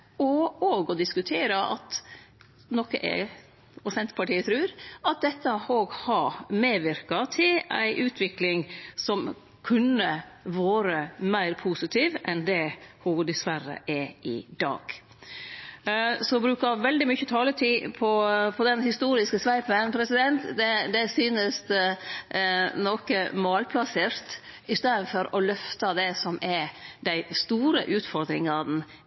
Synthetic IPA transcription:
ɔoːɡɔd̪ɪskʉt̪ʰeːɾəʔɑ̰t̪ | nɔkəʔɛ̰ | ʊsɛnt̪ə̥pʰɑʈiːət̪ʰɾʉːɾɑt̪̚d̪ɛt̪ːəhoːɡhɑmeːʋɪɾkɑt̪ʰɪlæ̰ɪʔʉːt̪ʰʋɪklɪŋsɔm | kʰʉnːəʋɑːɾəmæɪɾpʰuːsɪt̪ʰiːʋʔɛnd̪ɛhud̪ɛsʋæɾːə̰ʔɛʔɪd̪ɑ̰ːɡ̥ | sɔbɾʉːkɑʋɛld̪ɪmʏçːət̪ʰɑːlət̪ʰiːpʰɔpʰɔd̪ɛnhɪst̪uːɾɪskəsʋæɪpənpʰɾɛsɪd̪ɛnt̪d̪ɛd̪ɛsyːnəs | nɔkəmɑːlpʰlɑseːɾt̪ɪst̪eːd̪ənfɔɾɔlœft̪ɑd̪ɛsɔmʔɛɾd̪æɪst̪uːɾə̰ʔʉːt̪fɔɾd̪ɾɪŋɑɾn̩

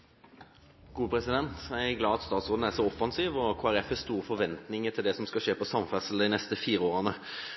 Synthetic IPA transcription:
ɡ̥uːpʰɾɛsɪd̪ɛnt̪jæɪæɡlɑːɑt̪st̪ɑːt̪sʁoːd̪nəæʁsɔɔfɑnsiːʋɔkʰoːæɾɛfæst̪uːʁəfɔɾʋɛnt̪nɪŋət̪ʰɪld̪ɛsɔmskɑʃeːpɔsɑmfæsəld̪ɪnɛst̪əfiːɾəoːʁənə

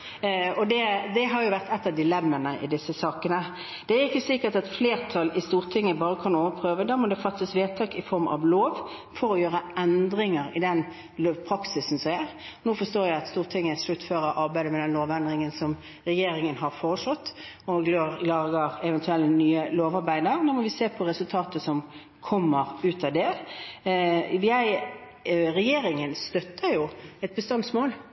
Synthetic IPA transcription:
ɔd̪ɛd̪ɛɦɑɾjʊʋæʁt̪ɛt̪ːəd̪ɪlɛmːənəʔɪ̰d̪ɪsːəsɑːkənə | d̪̥ɛæɾɪkːəsɪkət̪ɑt̪fleːʁt̪ʰɑlɪst̪uːʁt̪ʰɪŋːəbɑːʁəkʰɑnoːʋəpʰʁøːʋəd̪ɑːmɔd̪ɛfɑt̪ːəsʋeːt̪ʰɑːkɪfɔɾmɑ̰ʋloːʋfɔɾɔjøːʁəʔɛnd̪ʁɪŋəɾɪd̪ɛn | loːʋpʰʁɑksɪsn̩sɔæʁ | nuːfɔst̪oːjæɪɑt̪st̪uːʁt̪ʰɪŋːəslʉt̪ːføːɾəʔɑɾbæɪd̪əmɛd̪ɛnloːʋɛnd̪ʁɪŋənsɔm | ɾɛjeːɾɪŋənɦɑɾfoːʁəʂɔt̪ː | ɔɡløːʁlɑːɡəʁɛʋɛnt̪ʰʉɛlnyːəloːʋɑɾbæɪd̪əɾnoːmɔʋɪseːpʰɔɾɛsʉlt̪ʰɑːt̪əsɔm | kʰɔmːəʁʉːt̪ʰɑd̪ɛ | ʋɪæɪ | ɾɛjeːɾɪŋənst̪œt̪ːəɾjʊɛt̪̚bəst̪ɑnsmoːl

